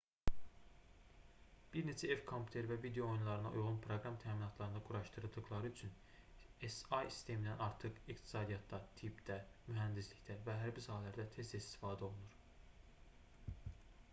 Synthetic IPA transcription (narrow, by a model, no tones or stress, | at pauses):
b̥iɾne̞t͡ʃʰæevkʰompʰʲu̥t̪ʰe̞ɾvævid̪ejo̞ojunlˠɑɾɯnɑ̰ʔṵjʁunpʰɾo̞ɡɾɑmt̪ʰæːminɑt̪ʰlˠɑɾɯnɑɡuɾɑʃt̪ɯɾɯd̪ɯɣlˠɑɾɯyt͡ʃʰyn | esɑjsi̥st̪ʰe̞mind̪ænɑɾt̪ʰɯχikt̪ʰi̥sɑːd̪ijɑt̪ʰːɑt̪ʰibd̪æmyɦænd̪isliçt̪ævæɦæɾbisɑːɦɛlæɾd̪æt̪ʰe̞st̪ist̪i̥fɑːd̪æo̞lˠunuɾ